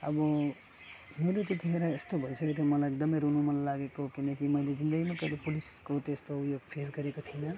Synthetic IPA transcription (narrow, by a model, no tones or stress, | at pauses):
ə̰bʌ | meɾot̪it̪eɦeɾaest̪obʱʌjsəket̪ʰomʌlaek̚d̪əmejɾunumənlaɡekokinəkiməiled͡ʒind̪əɡimekʌlepuliskot̪est̪oːpjoɡpʰesɡʌɾekot̪ʰina